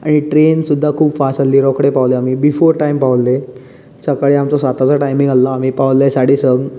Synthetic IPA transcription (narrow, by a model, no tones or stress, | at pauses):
a̰ɽ̃iʈɾensud̪ʱːakʰuːbfasalːiːɾɔkɽepaʋleamiːbifoɾʈaimpaʋlːe | səkaɭiːamt͡sɔsat̪at͡saʈajmiŋɡalːaːm̤iːpaʋlːəesaɽiːsəɡ